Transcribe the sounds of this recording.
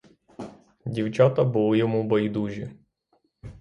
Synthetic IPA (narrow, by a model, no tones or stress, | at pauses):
dʲiwt͡ʃat̪ɐbɨlˠjɔmubɐjd̪uʒʲɪ